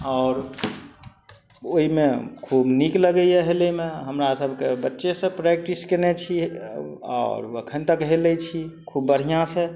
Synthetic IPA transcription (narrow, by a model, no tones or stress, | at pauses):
ɔʊɾ | oɦimekʰubnikləɡɛjɛɦelemẽɦəmɾasəbʱkebətːʃesə̃pɾɛk̚ʈiskenet͡ʃʰi | ɔ̰ːɾə̰kʰənt̪əkɦelɛt͡ʃʰikʰubːəɽ̤ijãsẽ